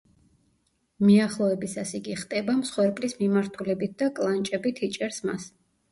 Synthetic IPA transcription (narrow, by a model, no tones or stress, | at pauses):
miaχlˠɔɛbisasiɡiχt̪ʼɛbamsχwɛɾpʼlismimaɾt̪ʰulɛbit̪̚ʰd̪̥akʼlˠant͡ʃʼɛbit̪ʰit͡ʃʼɛɾsma̰s